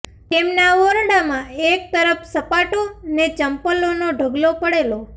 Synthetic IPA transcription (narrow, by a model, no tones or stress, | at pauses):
t̪emnaʋoɾɽamãek̚t̪əɾəfsəpaʈonet͡ʃəmpəlonoɖʱəɡlopəɽelo